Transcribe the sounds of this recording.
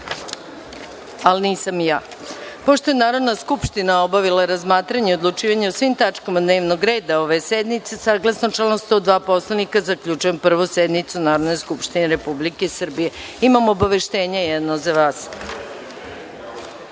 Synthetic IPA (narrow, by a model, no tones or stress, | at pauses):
alniːsamjaː | po̞ʃt̪o̞jenaːɾo̞d̪naskupʃt̪inao̞baʋilaɾazmaːt̪ɾaɲeo̞d̪lˠut͡ʃiːʋaɲeusʋimt̪at͡ʃkamad̪ne̞ːʋnoɡɾe̞ːd̪ao̞ʋe̞sed̪nit̪sesaːɡlˠasnot͡ʃelost̪od̪ʋaːpo̞slˠanikazakʎut͡ʃuje̞mpr̩ʋused̪nit̪sunaːɾod̪no̞jskupʃt̪ineɾe̞publike̞sr̩bije̞ | imamo̞baʋe̞ʃt̪e̞ːɲejɛd̪nozaʋaːs